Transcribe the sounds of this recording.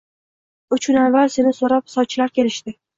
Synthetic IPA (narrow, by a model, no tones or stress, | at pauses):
ʊt͡ʃkʊnavːalse̞nɪsoɾap̚sɒt͡ʃʰːlaɾkʲʰe̞lɪʃt̪ɪ